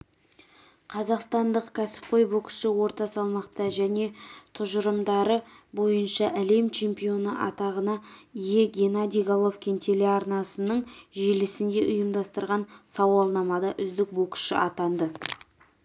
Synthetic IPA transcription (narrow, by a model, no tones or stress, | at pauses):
qʰɑzɑqst̪ɑnd̪əqkʲʰæsɪ̥p̚qʰo̞jbo̞kɪ̥ʃɪwo̞ɾt̪ɑsɑlˠmɑqt̪ɑʒæne̞t̪ʰʊʒəɾəmd̪ɑɾəbo̞jənʃɑʔæle̞mt͡ʃʰe̞mpijo̞nəʔɑ̰t̪ɑʁənɑije̞ɡʲe̞nad̪iɡalˠofkʲent̪ʰe̞le̞ɑɾnɑsənəɴʒelɪsɪnd̪e̞ʔʊjəmd̪ɑst̪əɾʁɑnsɑwɑlˠnɑmɑd̪ɑʔʏzd̪ɪk̚bo̞kʃɪ̰ʔɑt̪ɑnd̪ə